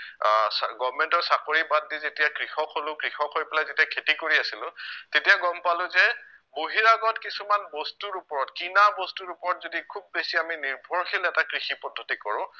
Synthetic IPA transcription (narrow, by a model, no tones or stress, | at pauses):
sɡɔvmɛntɔsakoɹibadːizetijakɹixɔkʰɦolʊ̃kɹixɔkʰɦojpɛlajzetijakʰetikoɹiasilʊ̃tetijaɡɔmpalʊ̃zɛ | boɦiɹaɡɔtkisumanbɔstuɹupɔɹɔtkinabɔstuɹupɔɹɔtzodikʰub̚ːesiaminiɹbʱɔɹxʰilɛtakɹixipɔdʱːotikɔɹʊ̃